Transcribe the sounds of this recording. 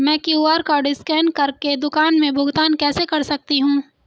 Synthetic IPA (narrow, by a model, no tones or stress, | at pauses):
mɛ̃ːkiuaːɾkaɖɪskɛːɳɖkɐɾked̪ʊkaːnmẽbʱʊɡt̪aːnkɛːsekɐɾsɐk̚t̪iɦũː